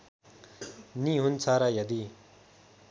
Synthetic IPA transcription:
niɦunt͡sʰaɾajʌd̪i

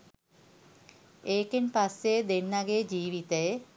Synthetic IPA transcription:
eːkenpasːed̪enːaɡed͡ʑiːʋit̪əe

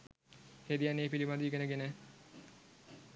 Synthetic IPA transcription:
hed̪ijaneːpilimad̪iːɡenəɡene

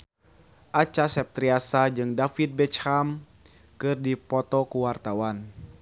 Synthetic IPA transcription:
ʔat͡ʃasɛp̚t̪ɾiasad͡ʒɨŋdafit̪̚bɛt͡ʃham | kɨrdipɔt̪ɔkuwart̪awan

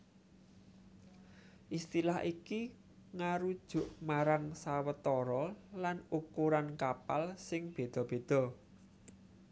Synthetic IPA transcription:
ʔist̪ilahiki | ŋaɾud̥ʒ̥ʊ̤ʔmaɾaŋsawət̪ɔɾɔlanukuɾankapalsɪŋb̥e̤d̪̥ɔ̤b̥e̤d̪̥ɔ̤

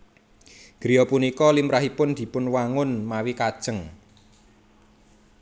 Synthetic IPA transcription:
ɡ̥ɾijɔpunikɔlimɾaɦipʊnd̪̥i̤pʊnwaŋʊnmawikad̥ʒ̥əŋ

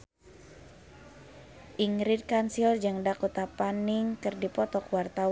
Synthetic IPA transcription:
ʔiŋɾid̪̚kansiɔrd͡ʒaŋdakut̪apaniŋkɨrdipɔt̪ɔkwart̪aw

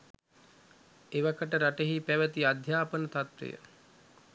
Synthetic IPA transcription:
eʋakəʈəɾaʈeɦipæʋət̪iad̪ʱjaːpənət̪at̪ʋḛjə̰

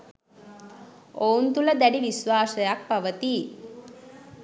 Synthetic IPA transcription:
ount̪uləd̪æɖiʋisʋaːsəjak̚paʋət̪i

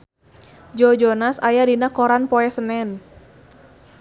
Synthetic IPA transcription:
d͡ʒɔd͡ʒɔnasajadinakɔɾanpɔɛsənɛn

